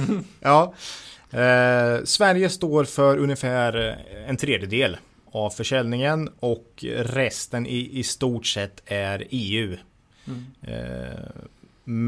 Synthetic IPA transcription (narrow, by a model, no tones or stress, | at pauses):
jʔɑː | svæɾjəst̪oːɾfœɾɵnjəfæːɾɛnt̪ʰɾeːd̪jəd̪eːl | avfœʂɛlnɪŋənɔkɾɛst̪ənʔɪʔɪst̪uːʈsɛt̪ʰːæɾeːʉ̟ː